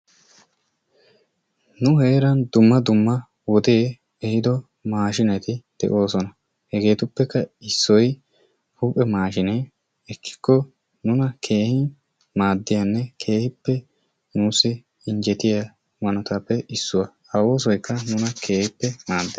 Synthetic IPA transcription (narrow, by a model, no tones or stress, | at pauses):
nʊheːɾɐnd̪ʊmːɐd̪ʊmːɐ | wɔd̪e | ɛhɪd̪ɔ | maːʃɪnɛt̪ɪd̪̥ɛ̰ʔo̞ːsɔnɐ | hɛɡe̞ːt̪ʊpːɛkːɐɪsːɔj | huːpʼɛmaːʃɪnɛ | ɛkʰːɪ̥kːɔ | nʊnɐkʰe̞ːhɪn | maːd̪ːɪjanːɛkʰe̞ːhɪpːɛ | nuːsɪ | ɪɲd͡ʒɛt̪ɪja | mɐnɐt̪apːɛʔɪsːʊwɐ | ɐwo̞ːs̬ɔjkːɐnʊnɐkʰe̞ːhɪpːɛmaːd̪ːe